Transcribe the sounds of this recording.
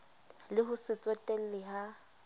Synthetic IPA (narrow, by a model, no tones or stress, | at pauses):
lɪɦʊsɪt͡sʼɔtʼɛl̩lɪɦa